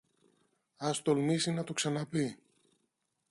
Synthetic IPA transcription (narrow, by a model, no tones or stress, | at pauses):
ɐst̪o̞lmisinɐt̪oksɐnɐpi